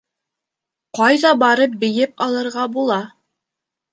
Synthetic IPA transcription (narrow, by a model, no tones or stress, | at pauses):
qɑjðɑbɑɾɤp̚bɘ̆jɘpɑlˠɤ̆ɾʁɑbulˠɑ